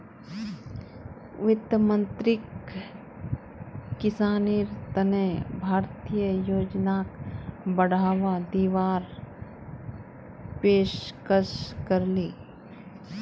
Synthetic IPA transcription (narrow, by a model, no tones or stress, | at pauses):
ʋɪt̪jəmə̃nt̪ɾɪk | kɪsaːniːɾt̪ənebʱaːɾt̪ijəjoːd͡ʒnaːkbəɽ̤aːʋad̪iːʋaːɾ | peːʃkəʃkəɾliː